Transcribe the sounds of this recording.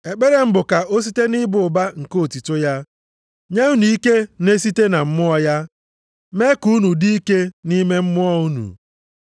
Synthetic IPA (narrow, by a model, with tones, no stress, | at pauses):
e˨k͡pe˦ɾe˦m̩˦bʊ˨ka˨ʔo˦s̬i˦te˦nɪ˦bʊ˨ʊ˨ba˦ŋ̩˨ko˦o˨ti˨tʊ˦ja˦ | ɲe˦u˦nu˨i˦ke˦ne˦s̬i˦te˦na˨m̩˦mʊ˦ɔ˦ja˦ | me˦ku˦nu˨di˦i˦ke˦ni˦me˦m̩˦mʊ˦ɔ˦u˦nṵ˨